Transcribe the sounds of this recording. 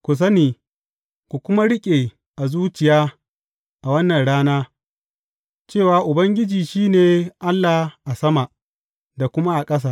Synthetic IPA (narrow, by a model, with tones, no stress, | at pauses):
kʷʊ˨s̬ɐ˦niː˨ | kʷu˨kʷʊ˦ma˦ɽɪ˦kʲʼeː˨ | ʔa˨zuː˦t͡ʃɪ˨jaː˦ | ʔa˨wɐ˦nːɐ˨nɽaː˦naː˦ | t͡ʃeː˦˨waː˨ʔʊ˨bɐ˦ŋɡʲɪ˦d͡ʒiː˨ʃiː˦neː˨ʔa˦lːaː˨ʔa˨sɐ˦ma˨ | da˨kʷʊ˦ma˦ʔa˨kʼɐ˦s̬aː˦˨